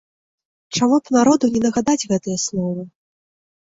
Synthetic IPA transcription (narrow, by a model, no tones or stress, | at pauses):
t͡ʂamupnaɾɔd̪unʲɛnɐɣad̪ad͡zʲɣɛt̪ɐjɐslˠɔvɐ